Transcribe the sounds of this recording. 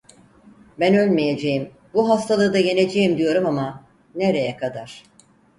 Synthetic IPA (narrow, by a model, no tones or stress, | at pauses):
bænø̞lʲmije̞d͡ʒe̞jim | buɦast̪ʰalˠɯːd̪aje̞ne̞d͡ʒejimd̪ijo̞ɾumama | ne̞ɾe̞jɛkʰad̪aɾ̥